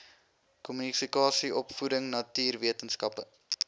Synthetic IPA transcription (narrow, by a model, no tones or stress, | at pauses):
kɔmynifikɑːsiɔpfudəŋnɐtiːrviətənskɐpə